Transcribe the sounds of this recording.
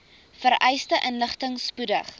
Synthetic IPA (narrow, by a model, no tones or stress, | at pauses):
fəɾʔɛjstəʔənləχtəŋspudəχ